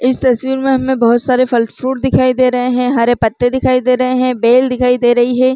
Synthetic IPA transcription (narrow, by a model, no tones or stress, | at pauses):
ɪst̪ɐswiːɾmẽɦɐmːẽbɐɦʊt̪saːɾefʰɐlʈfɾuːʈd̪ɪkʰaːid̪eːɾɐɦeɦɛ̃ɦaɾepɐt̪ːed̪ɪkʰaːid̪eːɾɐɦeɦɛ̃beːld̪ɪkʰaːid̪eːɾɐɦiɦɛ̃ː